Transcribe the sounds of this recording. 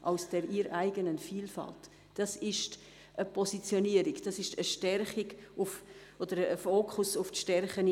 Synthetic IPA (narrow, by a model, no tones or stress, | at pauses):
ʔaʊsd̥ɛɾʔiɾʔaɪɡənənfiːlfa̰lt | d̥ɑsɪʃt | ʔəpʰɔsit͡sjoniəɾikd̥ɑsɪʃtəʃtɛrχɪɡʊfʔod̥əɾːfoːkʰʊsʊftʃtɛɾχən